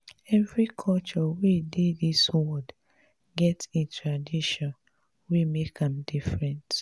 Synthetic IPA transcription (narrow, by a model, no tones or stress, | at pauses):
ɛvɹikʰɔlt͡ʃɔwedeðiswɔd | ɡɛtĩntʰɹadiʃɔ̃n | wimekãmdifɹɛ̃nt